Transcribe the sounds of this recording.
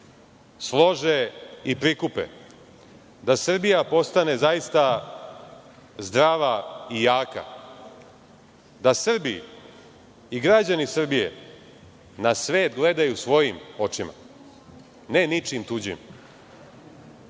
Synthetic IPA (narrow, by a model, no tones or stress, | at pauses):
slˠo̞ʒeipɾikupḛ | d̪asr̩bijapo̞st̪ane̞zajist̪a | zd̪ɾaːʋaijaːka̰ | d̪asr̩biḭ | iɡɾad͡ʑanisr̩bijḛ | nasʋeːt̪ɡle̞d̪ajusʋo̞jimo̞t͡ʃima̰ | ne̞nit͡ʃimt̪ud͡ʑḭm